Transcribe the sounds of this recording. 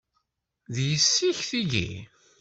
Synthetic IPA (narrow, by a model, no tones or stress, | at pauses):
ðjəsːiçθiʝḭ